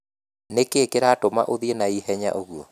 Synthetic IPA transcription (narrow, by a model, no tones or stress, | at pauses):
nekeːkeɾatoma̰ʔoðienaiɦɛɲa̰ʔoɣuɔ